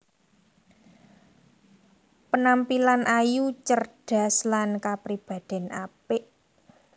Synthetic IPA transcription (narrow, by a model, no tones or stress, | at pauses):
pənampilanʔajut͡ʃərɖ̥a̤slankapɾib̥a̤d̪̥ɛ̤na̰pɪʔ